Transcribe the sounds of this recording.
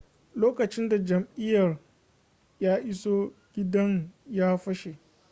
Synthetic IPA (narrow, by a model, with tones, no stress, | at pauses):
loː˦kɐ˨t͡ʃɪ˦nda˨d͡ʒɐ˨mʔɪ˦jɐ˨r | jaː˦ʔɪ˦soː˦ɡʲɪ˦dɐ˦ŋjaː˦ɸɐ˦ʃe˨